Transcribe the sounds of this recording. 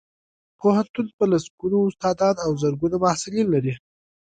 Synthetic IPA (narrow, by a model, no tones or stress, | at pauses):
pohant̪ʊlpəlasɡunoʊst̪ɑd̪ɑd̪awzəɾɡunamahsɪlinlaɾi